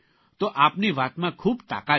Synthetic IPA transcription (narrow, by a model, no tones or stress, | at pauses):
t̪oʔapniʋat̪mãkʰuːbt̪a̰ka